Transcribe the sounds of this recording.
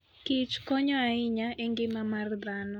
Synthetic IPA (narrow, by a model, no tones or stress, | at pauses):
kɪt͡ʃkɔɲɔaɪɲaeŋɡɪmamard̪anɔ